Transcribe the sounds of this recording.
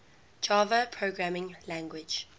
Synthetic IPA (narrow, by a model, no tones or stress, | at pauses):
d͡ʒɑːvəpʰɹoɡɹamɪ̃ŋlæ̃ŋɡwɪd͡ʒ